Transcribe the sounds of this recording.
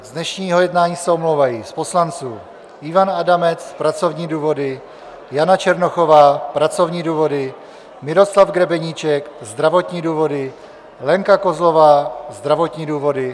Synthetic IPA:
zdnɛʃɲiːɦo̞jɛdnaːɲiːsɛomlowvajispo̞slant͡suː | ɪvanadamɛt͡spɾat͡so̞vɲiːduːvo̞dɪ | janat͡ʃɛɾnoxo̞vaːpɾat͡so̞vɲiːduːvo̞dɪ | mɪɾo̞slavɡɾɛbɛɲiːt͡ʃɛkzd̪ɾavo̞t̪ɲiːduːvo̞dɪ | lɛŋkako̞zlo̞vaːzd̪ɾavo̞t̪ɲiːduːvo̞dɪ

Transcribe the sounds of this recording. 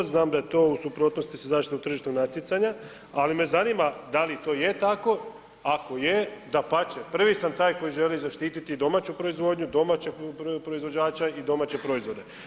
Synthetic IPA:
znaːmd̪ajet̪o̞ːusupɾot̪no̞st̪isezaːʃt̪it̪out̪r̩ʒiʃt̪onat̪jet̪saɲa | alime̞zaniːmad̪alit̪o̞ːjet̪ako̞ | ako̞jed̪apat͡ɕepr̩ʋisamt̪aːjko̞jiʒe̞lizaʃt̪iːt̪it̪id̪o̞maːt͡ɕupɾo̞izʋo̞ːd̪ɲud̪o̞mat͡ɕepɾoizʋo̞d͡ʑaːt͡ɕaid̪o̞maːt͡ɕe̞pɾo̞izʋo̞d̪e̞

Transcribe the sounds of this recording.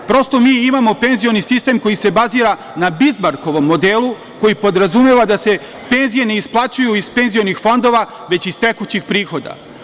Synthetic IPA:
pɾo̞st̪o̞miːimamo̞pe̞nzijo̞nisist̪e̞mko̞jise̞baziːɾa | nabizmaɾko̞ʋo̞mːo̞d̪eːlˠu | ko̞jipo̞d̪ɾazumeʋad̪ase̞ | pe̞nzije̞ne̞isplˠat͡ɕujuispe̞nzio̞nixfo̞nd̪o̞ʋa | ʋe̞t͡ɕist̪e̞kut͡ɕixpɾiːxo̞d̪a̰

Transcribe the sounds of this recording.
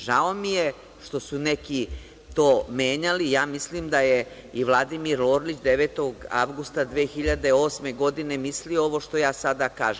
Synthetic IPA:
ʒao̞mije | ʃt̪o̞suneki | t̪oːmeːɲalijaːmislimd̪aje | iʋlˠad̪imiɾloːɾlit͡ɕd̪eʋeːt̪o̞ɡa̰ʋɡust̪ad̪ʋeːxiʎad̪e̞o̞ːsme̞ɡo̞d̪ine̞misliooʋo̞ʃt̪o̞jaːsad̪akaːʒe

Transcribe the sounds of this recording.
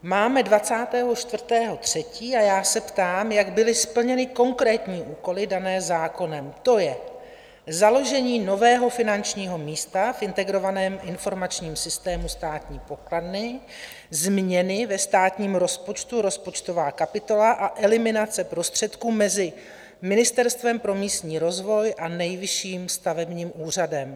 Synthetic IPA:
maːmɛdvat͡saːt̪ɛːɦo̞t͡ʃt̪vr̩t̪ɛːɦo̞t̪r̝̥ɛciːajaːsɛpt̪aːmjaɡbɪlɪspl̩ɲɛnɪko̞ŋkɾɛːt̪ɲiːʔuːko̞lɪdanɛːzaːko̞nɛmt̪o̞jɛ | zalo̞ʒɛɲiːnovɛːɦo̞fɪnant͡ʃɲiːɦo̞miːst̪afʔɪnt̪ɛɡɾo̞vanɛːmʔɪnfo̞ɾmat͡ʃɲiːmsɪst̪ɛːmust̪aːt̪ɲiːpo̞kladnɪ | zmɲɛnɪvɛst̪aːt̪ɲiːmɾo̞spo̞t͡ʃt̪uɾo̞spo̞t͡ʃt̪o̞vaːkapɪt̪o̞laʔaʔɛlɪmɪnat͡sɛpɾo̞st̪r̝̥ɛt̪kuːmɛzɪ | mɪnɪst̪ɛɾst̪vɛmpɾo̞miːst̪ɲiːɾo̞zvo̞jʔanɛjvɪʃiːmst̪avɛbɲiːmuːr̝adɛm

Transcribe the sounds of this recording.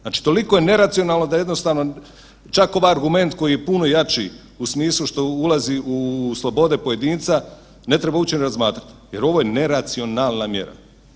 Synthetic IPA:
zaːt͡ʃi̥t̪o̞liko̞jene̞ɾat̪sio̞naːlˠno̞d̪aje̞d̪no̞st̪aːʋno̞ | t͡ʃako̞ʋajaɾɡume̞nt̪ko̞jije̞puno̞jat͡ʃḭ | usmiːslˠuʃt̪o̞ulaziuslˠo̞bo̞d̪e̞poje̞d̪iːnt̪sa | ne̞t̪ɾe̞baut͡ɕeneɾazmaːt̪ɾat̪je̞ɾo̞ʋojene̞ɾat̪sio̞naːlˠnamje̞̰ɾa̰

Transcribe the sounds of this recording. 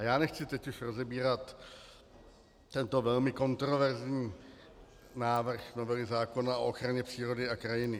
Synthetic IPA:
ajaːnɛxt͡sɪt̪ɛcɪʃɾo̞zɛbiːɾat̪ | t̪ɛnt̪o̞vɛlmɪko̞nt̪ɾo̞vɛɾzɲiː | naːvr̩xno̞vɛlɪzaːko̞naoʔoxɾaɲɛpr̝̥iːɾo̞dɪakɾajɪnɪ

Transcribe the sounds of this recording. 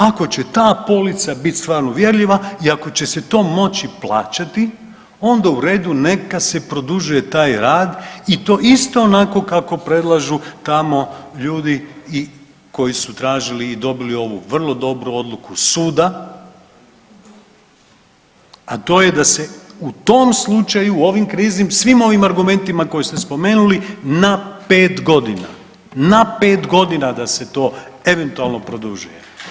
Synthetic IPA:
ako̞t͡ɕe̞t̪aːpo̞lit̪sabit̪ʲst̪ʋaːɾnoʋje̞ɾʎiʋaiako̞t͡ɕe̞se̞t̪o̞ːmo̞t͡ɕiplˠaːt͡ʃat̪i | o̞nd̪auɾe̞ːd̪une̞kase̞pɾo̞d̪uʒuje̞t̪aːjɾaːd̪it̪o̞ːist̪o̞ːnako̞kako̞pɾe̞d̪lˠaʒut̪amo̞ʎuːd̪ii | ko̞jisut̪ɾaːʒiliːd̪o̞bilio̞ʋuʋr̩lˠo̞d̪o̞bɾuo̞d̪lˠukusuːd̪a | at̪o̞ːje̞d̪ase̞ut̪o̞mslˠut͡ʃajuo̞ʋimkɾiːzimsʋimo̞ʋimaɾɡume̞nt̪imako̞jest̪e̞spo̞me̞ːnulinape̞ːt̪ɡo̞d̪ina̰ | nape̞ːt̪ɡo̞d̪inad̪ase̞t̪o̞ːe̞ʋe̞nt̪ualˠno̞pɾod̪uʒujḛ

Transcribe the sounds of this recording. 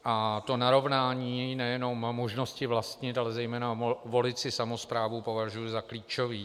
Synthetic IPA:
ʔat̪o̞naɾo̞vnaːɲiːnɛjɛno̞mːo̞ʒno̞scɪvlast̪ɲɪt̪alɛzɛjmɛːnavo̞lɪt͡sɪsamospɾaːvupo̞vaʒujʊzakliːt͡ʃoviː

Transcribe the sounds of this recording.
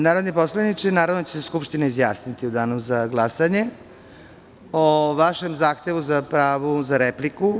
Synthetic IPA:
naːɾod̪neposlanit͡ʃenaːɾaʋnot͡ɕeseskupʃt̪inaizja̰ːsnit̪iud̪aːnozaɡlˠasaɲe | oʋaʃemzaːxt̪e̞ʋuzapɾaːʋuzaɾepliku

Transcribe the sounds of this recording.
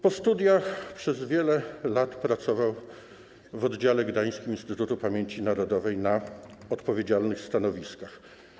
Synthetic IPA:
pɔst̪ud̪ʲjaxpʂɛzvʲjɛlɛlat̪pɾat̪sɔvaw | vɔd̪d͡ʑalɛɡd̪aj̃skʲiminst̪ɘt̪ut̪upamʲjeɲt͡ɕinaɾɔd̪ɔvɛjnaɔt̪pɔvʲjed͡ʑalnɘxst̪anɔvʲiskax

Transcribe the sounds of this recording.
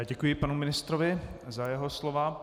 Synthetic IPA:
ɟɛkujɪpanumɪnɪst̪ɾovɪzajɛɦoslova

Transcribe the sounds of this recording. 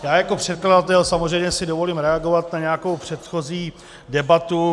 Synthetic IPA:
jaːjako̞pr̝̥ɛt̪̚kladat̪ɛlsamozrɛjmɲɛsɪdovo̞liːmɾɛaɡo̞vat̪naɲɛako̞wpr̝̥ɛt̪xo̞ziː | dɛbat̪u

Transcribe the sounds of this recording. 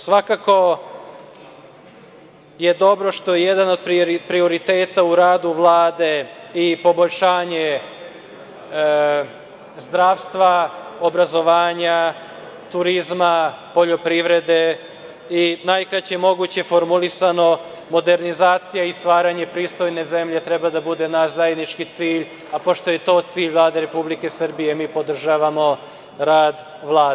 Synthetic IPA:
sʋakako̞ | jed̪o̞bɾo̞ʃt̪o̞jejed̪ano̞d̪̚pɾpɾio̞ɾit̪eːt̪auɾaːd̪uʋlˠaːd̪e̞ipo̞bo̞ʎʲʃaːɲe̞ | zd̪ɾaːʋst̪ʋaobɾazo̞ʋaːɲa | t̪uɾizmapo̞ʎo̞pɾiʋɾe̞d̪e | inajkɾat͡ɕemo̞ɡuːt͡ɕe̞fo̞ɾmulisano̞ | mo̞d̪e̞ɾnizaːt̪sijaist̪ʋaːɾaɲe̞pɾiːst̪o̞jne̞ze̞mʎe̞t̪ɾe̞bad̪abud̪e̞naʃzajed̪nit͡ʃkit̪siːʎ | apo̞ʃt̪o̞je̞t̪o̞ːt̪siːʎʋlˠaːd̪eɾe̞publike̞sər̩bije̞miːpo̞d̪r̩ʒaːʋamo̞ | ɾaːd̪ | ʋlˠaːd̪e

